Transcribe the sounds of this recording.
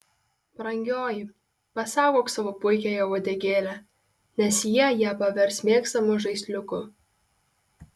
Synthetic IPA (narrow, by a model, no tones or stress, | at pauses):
pɾɐŋʲɡʲoːjɪ | pɐsɑːɡoːksɑʋoːpʊɪkʲɛjɛʋod̪ʲɛɡʲeːlʲæ | nʲɛsjiɛjiɛpɐʋʲɛɾʲsʲmʲeːkst̪ɐmʊʒɐɪsʲlʲʊkʊ